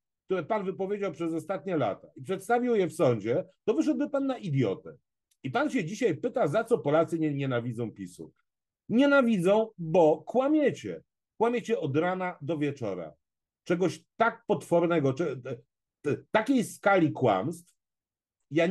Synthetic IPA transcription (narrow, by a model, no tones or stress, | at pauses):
k̚t̪uɾɛpanvɘpɔvʲjed͡ʑawpʂɛzɔst̪at̪ɲɛla̰t̪aipʂɛt̪st̪avʲiwjɛfsɔɲd͡ʑɛt̪ɔvɘʂɛd̪̚bɘpanːaʔid̪jɔ̰t̪ɛ | ipanɕɛd͡ʑiɕajpɘt̪azat̪sɔpɔlat̪sɘɲɛɲɛnavʲid̪zɔ̃w̃pʲisṵk | ɲɛnavʲid̪zɔ̃w̃bɔkwamʲjɛt͡ɕɛ̰ | kwamʲjet͡ɕɛɔd̪ɾanad̪ɔvʲjɛt͡ʂɔ̰ɾa̰ | t͡ʂɛɡɔɕt̪ak̚pɔt̪fɔɾnɛɡɔt͡ʂɛ | t̪akʲejskalʲikwa̰mst̪f | ja